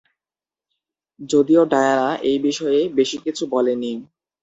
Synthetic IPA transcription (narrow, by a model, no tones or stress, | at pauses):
d͡ʑod̪ioɖaeaɾaʔejbiʃɔeebeʃikit͡ɕʰubɔleni